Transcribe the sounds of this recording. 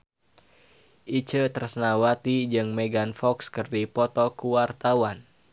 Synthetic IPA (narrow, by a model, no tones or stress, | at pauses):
ʔit͡ʃət̪ərsənawat̪id͡ʒɨŋmɛɡanfɔkskɨrdipɔt̪ɔkuwart̪awan